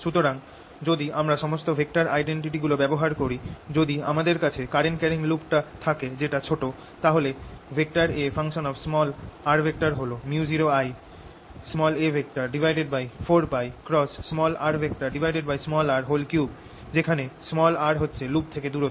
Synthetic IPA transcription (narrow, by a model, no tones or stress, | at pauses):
ʃut̪oɾaŋ | d͡ʑod̪iamɾaʃɔmost̪obʱek̚ʈaɾa̰jɖeɳʈiʈiɡulobɛboɦaɾkoɾid͡ʑod̪ia̰mad̪eɾkat͡ɕʰekaɾeɳʈkɛɾiŋlupʈat̪ʰaked͡ʑeʈat͡ɕʰoʈo | t̪aɦolebʱek̚ʈaɾefaŋʃonɔbsmɔlaɾbʱek̚ʈaɾɦolomuud͡ʑiɾoaj | smɔlebʱek̚ʈaɾɖibʱajɖeɖ̚bajfoɾpajkɾɔsːmɔlaɾbʱek̚ʈaɾɖibʱajɖeɖ̚bajsmɔlaɾɦolkjub̚ | d͡ʑekʰanesmɔlaɾɦotːɕʰelup̚t̪ʰeked̪uɾot̪o